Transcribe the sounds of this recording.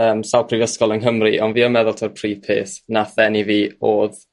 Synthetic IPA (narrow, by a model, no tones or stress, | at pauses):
əːmsawˠpʰrivəskɔlˠənɦəmriʔɔnviːəmɛðʊlˠtʰərpʰriːpʰḛːθnaθɛniviːoːð